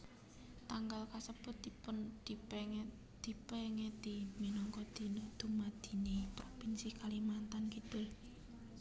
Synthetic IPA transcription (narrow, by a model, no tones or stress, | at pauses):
t̪aŋɡalkasəpʊt̪̚ipʊnd̪̥i̤pɛ | d̪̥i̤pɛŋɛd̪̥iminɔŋkɔd̪̥i̤nud̪̥ṳmad̪̥i̤nipɾopinsikalimant̪ankite